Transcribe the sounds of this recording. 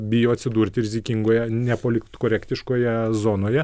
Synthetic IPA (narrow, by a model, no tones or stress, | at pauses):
bʲɪjoːɐt̪ʲsʲɪd̪uːɾʲt̪ʲɪɾʲɪzʲɪkʲɪŋɡoːjɛnʲɛpoːlʲɪkt̪koːɾʲɛkt̪ʲɪʃkoːjɛzoːnoːjɛ